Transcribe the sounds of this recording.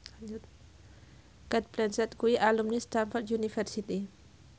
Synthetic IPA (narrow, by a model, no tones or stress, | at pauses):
kat̪̚plɛnsɛt̪̚ɡuiʔalumnist̪anfɔrd̪junifɛrsit̪i